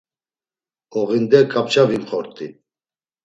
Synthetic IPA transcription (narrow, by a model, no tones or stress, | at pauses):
ɔʁind̪ɛkʼap̚t͡ʃʰʼavimχɔɾt̪ʼi